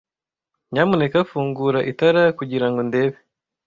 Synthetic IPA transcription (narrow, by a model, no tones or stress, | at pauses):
ɲaːmune̞kafuːŋɡuɾaʔitaɾakuɟiɾaŋɡo̞nde̞ːβe